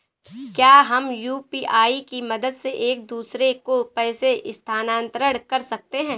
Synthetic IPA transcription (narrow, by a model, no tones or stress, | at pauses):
kjaːɦɐmjuːpiːʔaːikimɐd̪əd̪seʔeːk̚d̪uːsɾekopɛːseʔɪst̪ʰaːnãːnt̪ɾəɽkɐɾsɐk̚t̪eɦɛ̃ː